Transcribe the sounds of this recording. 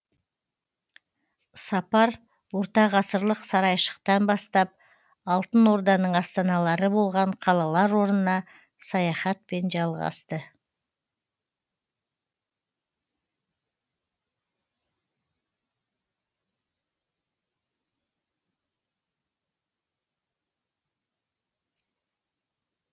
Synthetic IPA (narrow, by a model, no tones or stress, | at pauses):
sɑpɑɾ | wo̞ɾt̪ɑʁɑsəɾlˠəqsɑɾɑjʃə̥qt̪ɑnbɑst̪ɑp̚ | ɑlˠt̪ənwo̞ɾd̪ɑnəɴɑst̪ɑnɑlˠɑɾəbo̞lˠʁɑɴqʰɑlˠɑlˠɑɾwo̞ɾnənɑ | sɑjɑχɑt̪̚pe̞nʒɑlˠʁɑ̰st̪ə